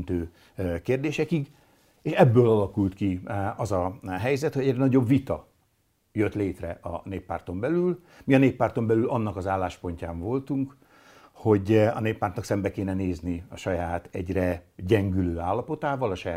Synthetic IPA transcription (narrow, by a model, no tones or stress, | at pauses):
nt̪øː | keːrd̪eːʃɛkiɡ | eːʃɛbːøːlɒlɒkult̪kiɒzɒɦɛjzɛt̪hoɛɟrɛnɒɟo̞bvit̪ɒ | jøt̪leːt̪rɛʔɒ̰neːpːa̰ːrt̪o̞mbɛlyl | miɒneːpːaːrt̪o̞mbɛlylɒnːɒkɒzaːlːaːʃpo̞ɲcaːɱvo̞lt̪uŋk | ho̞ɟɒ̰neːpːaːrt̪ɒksɛmbɛkeːnɛneːzniɒʃɒjaːt̪ɛ̰ɟrɛɟɛŋɡyløːaːlːɒpo̞t̪aːvɒlɒʃɒjaː